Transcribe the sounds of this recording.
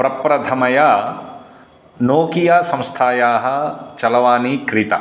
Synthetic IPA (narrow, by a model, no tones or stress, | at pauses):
pɾɐpɾɐd̪ʱɐmɐja | noːkijasɐ̃mst̪ʰaːjaːɦɐ̆t͡ʃɐlɐʋaːnikɾit̪ɐ̰